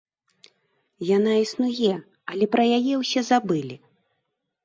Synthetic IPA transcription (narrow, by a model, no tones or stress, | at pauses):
janaisnujɛ | ɐlʲɛpɾɐjajɛwsʲɛzabɨlʲi